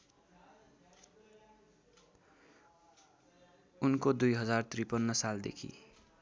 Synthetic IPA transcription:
unkod̪ujɦʌd͡zart̪ripʌnːʌsald̪ḛkʰḭ

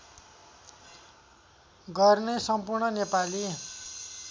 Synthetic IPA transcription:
ɡʌrnesʌmpurɳʌnepali

